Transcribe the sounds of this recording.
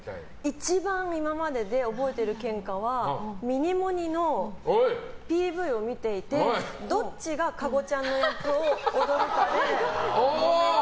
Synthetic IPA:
it͡ɕibãŋ̃imamad̪e̞d̪e̞o̞bo̞e̞t̪e̞ɾɯ̟kẽ̞ŋkaβ̞amʲiɲ̟imo̞ɲ̟ino̞ | pʲiːbɯ̟io̞mʲit̪e̞it̪e̞d̪o̞t͡ɕiɡakaɡo̞t͡ɕãnːo̞jokɯoːd̪o̞ɾok̪aɾe

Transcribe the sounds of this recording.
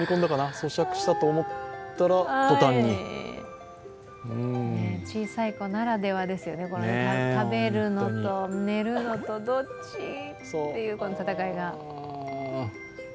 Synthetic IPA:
ikõnd̪akanaso̞ɕakɯ̟̥ɕi̥t̪at̪oːmo̞t̪ːaɾaat̪ot̪ãɲːi | ɯ̃net͡ɕiːsaiko̞naɾad̪e̞βad̪e̞sɨjo̞ne̞ko̞noat̪abe̞ɾɯ̟no̞t̪o̞ne̞ɾɯ̟no̞t̪o̞d̪o̞t͡ɕḭtsoːe̞jɯ̟ːko̞no̞t̪at̪akaiɡa

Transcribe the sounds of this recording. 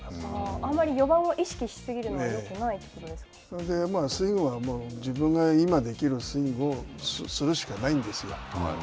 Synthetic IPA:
aãmːaɾʲijo̞bãɰ̃oʔiɕi̥kʲiɕi̥sɨɡʲiɾɯnoeokenait̪ːe̥kot̪o̞d̪e̞sɨ̥kḁd̪e̞masɨĩŋɡɯβamoːd͡ʑibɯ̟̃ŋɡaimad̪e̞kʲiɾɯ̟sɨĩŋɡɯo̞ssɨɾɯ̟ɕi̥kanaĩnd̪e̞sɨjo

